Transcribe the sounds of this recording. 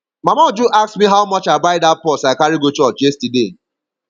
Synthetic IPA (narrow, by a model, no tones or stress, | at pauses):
mamɔd͡ʒuʔaksmiɦaʊmɔt͡ʃaɪbaɪdat̚pɔsaɪkaɾiɡot͡ʃɔt͡ʃd͡ʒestide